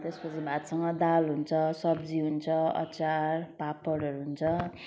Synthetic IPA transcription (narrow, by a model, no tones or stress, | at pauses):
t̪espʌt͡sebʱat̪sʌŋɡʌd̪alɦunt͡sʰʌsʌbd͡ziɦunt͡sʰʌʌ̰t͡sarpapːʌɽʌɾuɦunt͡sʰʌ